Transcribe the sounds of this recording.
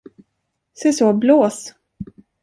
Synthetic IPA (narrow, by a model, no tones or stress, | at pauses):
sɛsɔːbloːs